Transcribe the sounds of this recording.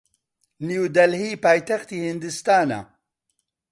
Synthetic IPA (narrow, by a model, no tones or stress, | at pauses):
niud̪ɐlhiːpaːjt̪ɐxt̪iːhɨnd̪ɨst̪aːna̰